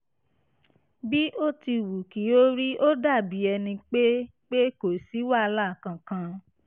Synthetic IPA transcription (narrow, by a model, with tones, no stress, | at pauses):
bi˦ʔo˦ti˧wu˨ki˨˦o˦ɾi˦ʔo˦da˦˨bi˨˦ɛ˧nĩ˧k͡pe˦ | k͡pe˦ko˨si˨˦wa˦˨˧la˦˨kã˨kã˧